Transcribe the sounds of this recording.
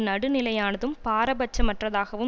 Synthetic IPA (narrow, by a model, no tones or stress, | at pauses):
nɐɽɯnɪlɐjaːnɐðɯmpaːɾɐbɐt͡ʃːɐmɐʈrɐðaːɣɐʋɯ